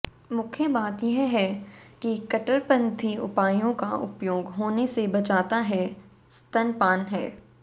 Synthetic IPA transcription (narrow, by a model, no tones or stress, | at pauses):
mʊkʰjəbaːt̪jeɦɦɛkikɐʈəɾpɐ̃nt̪ʰiʊ̰paːjõkaʔʊ̰pjoːɡɦoːnesebɐt͡ʃaːt̪aɦɛ | st̪ɐnpaːnɦɛː